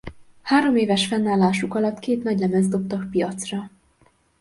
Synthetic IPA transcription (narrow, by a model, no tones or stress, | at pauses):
haːɾo̞meːvɛʃfɛnːaːlːaːʃukɒlɒt̪keːt̪nɒɟlɛmɛzd̪o̞p̚t̪ɒkpijɒt̪srɒ